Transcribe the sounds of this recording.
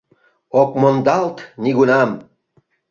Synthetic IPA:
okmond̪ɑlt̪nʲiɣunɑm

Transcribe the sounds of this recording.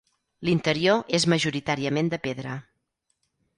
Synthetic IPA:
lint̪əɾioʔezməʒuɾit̪aɾiəmend̪əpeðɾə

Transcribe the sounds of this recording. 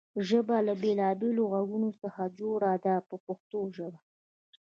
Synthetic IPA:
ʒəbalabelɑbeloɣaɡunosəxad͡ʒoɽad̪apəpəxt̪oʒəba

